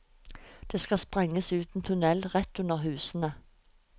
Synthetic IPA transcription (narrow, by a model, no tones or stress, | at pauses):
d̪̥eːskɑspʁɛŋːəsʉːt̪n̩t̪ʰʊnɛlʁɛt̪ʉnəʁɦʉːsənə